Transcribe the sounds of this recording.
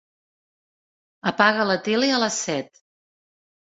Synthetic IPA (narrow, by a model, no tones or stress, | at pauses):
əpaɣələt̪eliələsɛt̪